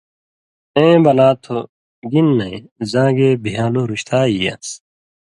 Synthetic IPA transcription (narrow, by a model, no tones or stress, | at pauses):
ẽːbɐlaːt̪ʰo | ɡinːɐĩzãːɡeːbʱijãːloɾuɕt̪ʰaːijɐ̰s